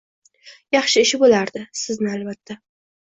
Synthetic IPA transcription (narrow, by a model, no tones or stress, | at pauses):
jɑχʃɪɪʃɪbolaɾd̪ɪsɪznɪalbat̪ʰːa